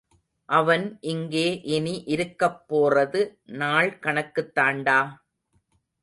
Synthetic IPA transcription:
ʔɐʋɐnʔɪŋɡeːʔɛniʔɪɾɯkːɐpːoːrɐðɯnaːɭkɐɳɐkːɯt̪ːaːɳɖaː

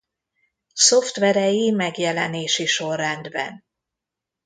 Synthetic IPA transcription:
so̞ft̪ʋɛɾɛjimɛɡjɛlɛneːʃiʃo̞rːɛnd̪bɛ̰n

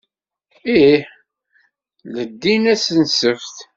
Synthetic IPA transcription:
iħ | ləd̪ːinæsənsəfθ

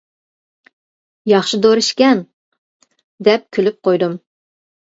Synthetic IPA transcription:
jɑχʃid̪oɾɨʃkʲɛn | d̪ɛp̚kʲʰølyp̚qʰojd̪um

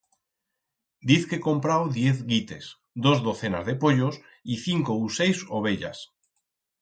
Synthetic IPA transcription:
d̪iθke̞ko̞mpɾawðje̞θɣit̪e̞̰s | d̪ozðo̞θe̞na̰zðe̞poʎos | iθiŋkousejsoβ̞e̞ʎa̰s

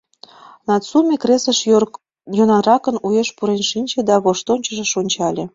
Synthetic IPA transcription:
nɑt͡sumʲekresəʃ | jonɑɾɑkənujeʃpuɾenʃinʲt͡ɕĕd̪ɑβoʃt̪onʲt͡ɕə̆ʒĕʃonʲt͡ɕɑlʲe

